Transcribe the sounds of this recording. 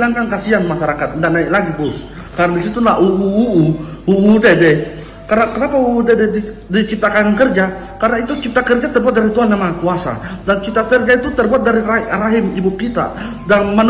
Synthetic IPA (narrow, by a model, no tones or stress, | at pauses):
laŋkankasiaŋmaʃaɾakat̪̚əndaʔnaɪklaɡib̪ʊs | kaɾənadisit̪ulaʔuʔuːʔːuudɛdɛ | kanakənapauːdɛdɛdi | dit͡ʃip̚t̪akannkərd͡ʒa | kaɾənait̪ut͡ʃip̚t̪akərd͡ʒat̪ərbuat̪̚daɾit̪uɦanːamakuasa̰dant͡ʃipt̪akərd͡ʒait̪ut̪ərbuat̪̚daɾiraɾaɦɪmibʊp̚kit̪a̰ | danman